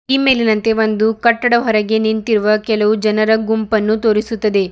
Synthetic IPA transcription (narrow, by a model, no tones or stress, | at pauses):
iːme̞ːlinɐnt̪e̞ʋond̪ukɐʈːɐɽɐɦɔɾɐɡe̞nint̪iɾuʋɐkɛlɐʋud͡ʒɐnɐɾɐɡumpɐnːut̪o̞ːɾisut̪ːɐd̪e̞